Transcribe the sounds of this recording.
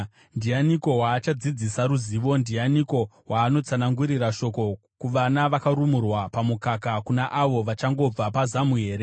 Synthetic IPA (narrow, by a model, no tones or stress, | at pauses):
ndijaniko̞waːt͡ʃad͡zid͡zisaɾuziːʋo̞ndianiko̞ɦwaːno̞t͡sanaŋɡuɾiraʃo̞ko̞ | kuʋanaʋakaɾumurwapamukakakunaʔaʋo̞ʋat͡ʃaŋɡo̞b͡vapazamuɦe̞ːɾe̞